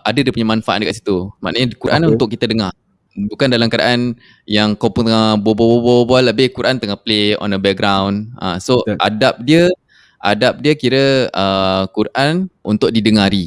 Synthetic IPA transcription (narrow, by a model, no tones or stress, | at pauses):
ʔadadiəpuɲamanfaʔa̰t̪̚dəkat̪ʔ̚si̥t̪uma̰ʔnəɲəkuɾʔa̰nunt̪ʊkːit̪ədəŋa | bukandalamkada̰ʔan | jaŋkawpʊŋt̪əŋabababobɔbbaləbɪhkuɾʔant̪əŋahpleɔ̰nəbɛk̚ɡɾawnã̰soʔa̰dap̚diə | ʔadap̚diəkiɾəəkuɾʔanṵnt̪ʊʔ̚didəŋaɾi